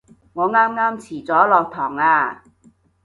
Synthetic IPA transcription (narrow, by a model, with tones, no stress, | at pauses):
ŋɔː˨˧ŋaː˥mŋaː˥mt͡sʰiː˨˩t͡sɔː˨˥lɔː˨˧k̚t̪ʰɔː˨˩ŋaː˧